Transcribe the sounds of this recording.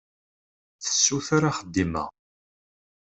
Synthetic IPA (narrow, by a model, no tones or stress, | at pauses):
θə̥sːuθaɾaχəd̪ːimæ̰